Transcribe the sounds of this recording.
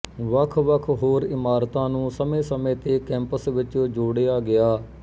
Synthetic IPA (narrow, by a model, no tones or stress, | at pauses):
ʋəkʰʋəkʰɦoːɾɪmaːɾt̪ãːnũːsəmẽːsəmẽːt̪eːkɛ̃ːmpəsʋɪt͡ʃõːd͡ʒoːɽeaːɡɪaː